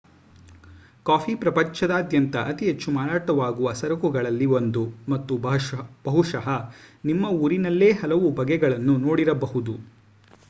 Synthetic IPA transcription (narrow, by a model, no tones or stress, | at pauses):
kaːpʰiːpɾɐpɐɲt͡ʃɐd̪aːd̪jɐnt̪ɐʔɐt̪iɦet͡ʃːumaːɾaːʈɐʋaːɡuʋɐsɐɾɐkuɡɐɭɐlːiond̪umɐt̪ːubɐb̥ɐɦuʂɐɦɐnimːɐuːɾinɐlːe̞ːɦɐlɐʋubɐɡɛɡɐɭɐnːuno̞ːɽiɾɐbɐɦud̪u